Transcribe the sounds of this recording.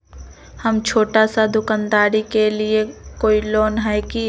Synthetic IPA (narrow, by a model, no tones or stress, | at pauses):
hɐmt͡ʃʰoːʈasad̪ʊkaːnd̪aːɾikeliekoːiloːnɦɛki